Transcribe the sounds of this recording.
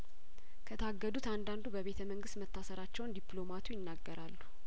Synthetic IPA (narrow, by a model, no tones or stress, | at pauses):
kʰət̪ʰaɡːəd̪ut̪and̪and̪ubəβe̞t̪ʰəməŋɡɨst̪mət̪ʰːasəɾat͡ʃːɛwnd̪iplo̞mat̪ʰujɪnːaɡːəɾalːu